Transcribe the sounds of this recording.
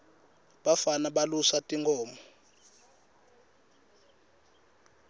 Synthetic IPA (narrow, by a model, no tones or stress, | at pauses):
ɓafanaɓalusatʼiŋɡʰɔːmɔ